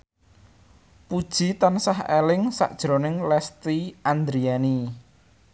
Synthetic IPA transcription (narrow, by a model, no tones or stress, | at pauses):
pud̥ʒ̥i̤t̪ansaɦelɪŋsa̰ʔd̥ʒ̥ɾonɪŋlɛst̪iʔand̪ɾiani